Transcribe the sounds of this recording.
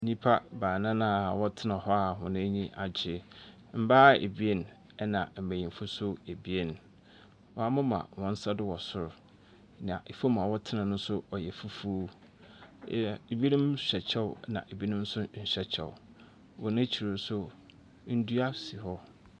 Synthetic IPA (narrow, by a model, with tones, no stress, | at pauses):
ɲĩ˦pʰa˦baː˨nã˦nã˦˨wɔ˦tʰɪ˦nã˨hɔ˦a˨hʊ̃˨nʊ̃˦ɲĩ˦ʔa˨d͡ʑɪ˨ | m̩˦baː˦ḛ˨bi˦e˦n˨ | ɛ˦nã˨m̩˨bæ˨jĩ˨m˨fʊ˦sʊ˦e˨bi˦e˦n | wɔ˨a˦mʊ̃˦mã̰˨wɔ̃˨n̩˦sa˦dɪ˦wɔ˨sʊ˨ɾʊ˨ | nã˨ʔe˨fo˦mã˨wɔ˦tʰɪ˦nã˨nʊ̃˦sʊ˦ɔ˨jɛ˨fu˦fu˦ | e˨bi˦e˦nʊ̃˦mɕᶣɛ˨t͡ɕʰɛ˦wnã̰˨ʔe˨bi˦nʊ̃˦m̩˦sʊ˦ɲ̩˨ɕᶣɛ˨t͡ɕʰɛ̰˨w | wɔ˨nã˦t͡ɕʰi˨ɾo˨˦sʊ˦ | n̩˦du˦a˦si˨hɔ˦